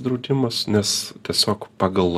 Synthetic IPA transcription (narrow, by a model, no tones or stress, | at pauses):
d̪ɾɐʊd̪ʲɪmɐsnʲɛst̪ʲiɛsʲoːkpɑːɡɐlˠ